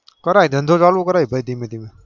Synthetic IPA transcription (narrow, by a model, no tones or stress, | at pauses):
kɐɾaːid̪ʱɐnd̪ʱod͡ʒaːlokɐɾaːibəid̪imẽd̪ime